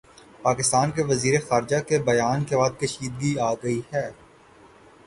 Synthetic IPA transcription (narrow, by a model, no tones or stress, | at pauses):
paːkɪst̪aːnkeʋɐziːɾexaːɾd͡ʒakebɐjaːnkebaːd̪̚kɐʃiːd̪̚ɡiaːɡɐihɛː